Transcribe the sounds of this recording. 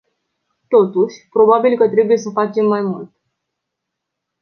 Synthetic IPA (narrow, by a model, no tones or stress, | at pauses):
t̪o̞t̪uʃʲpɾo̞babilkət̪ɾe̞buje̞səfat͡ʃe̞mːajmult̪